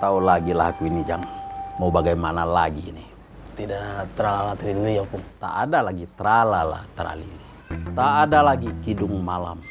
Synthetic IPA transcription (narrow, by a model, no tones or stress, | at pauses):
t̪aulaɡilahkuwinid͡ʒaŋmaubaɡajmanalaɡini | t̪idat̪əɾalalat̪əɾilijapuŋt̪a̰ʔːdalaɡit̪ɾalala̰ht̪əɾa̰lḭli | t̪aːdalaɡikidʊŋmala̰m